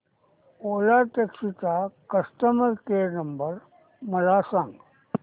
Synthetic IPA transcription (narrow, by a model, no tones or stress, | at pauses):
olat̪eksitakəst̪əməɾkeɾnəmbəɾ | məlasãŋɡ